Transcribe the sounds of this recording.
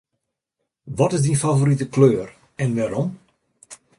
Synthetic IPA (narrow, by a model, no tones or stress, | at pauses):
ʋɔtɪzdinfavoɾitəkløːr | ɛnʋɛɾɔm